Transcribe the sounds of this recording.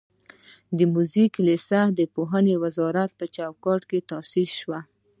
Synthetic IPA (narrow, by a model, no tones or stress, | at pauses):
d̪əmuziklesad̪əpoɦanewazɑɾat̪̚pət͡ʃawkɑʈket̪ɑsilʃwa